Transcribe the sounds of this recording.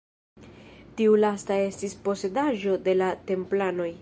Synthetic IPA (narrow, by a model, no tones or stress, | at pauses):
tiulastae̞stispo̞se̞daʒo̞de̞late̞mplano̞j